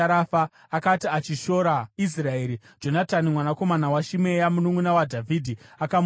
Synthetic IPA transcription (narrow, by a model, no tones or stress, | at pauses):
aɾafaː | katiat͡ʃiʃo̞ɾais̬rae̞ːɾi | d͡ʒo̞natanimwanako̞manawaʃime̞jamunumunawadʱavʱidʱiakam